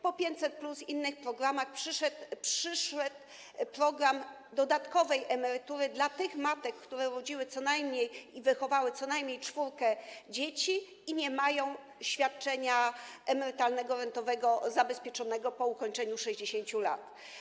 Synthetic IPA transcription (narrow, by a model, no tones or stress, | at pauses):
pɔpʲjeɲt͡ɕsɛt̪̚plusinːɘxpɾɔɡɾamaxpʂɘʂɛt̪pʂɘʂɛt̪ | pɾɔɡɾam | d̪ɔd̪at̪kɔvɛjʔɛmɛɾɘt̪uɾɘd̪lat̪ɘxmat̪ɛkːt̪uɾɛɾɔd͡ʑiwɘt̪sɔnajmɲejivɘxɔvawɘt̪sɔnajmɲejt͡ʂfuɾkɛd͡ʑet͡ɕi | iɲɛmajɔ̃w̃ | ɕfʲjat̪̚t͡ʂɛɲaʔɛmɛɾɘt̪alnɛɡɔɾɛnt̪ɔvɛɡɔzabɛspʲjɛt͡ʂɔnɛɡɔpɔukɔɲt͡ʂɛɲuʂɛʑd͡ʑeɕeɲt͡ɕula̰t̪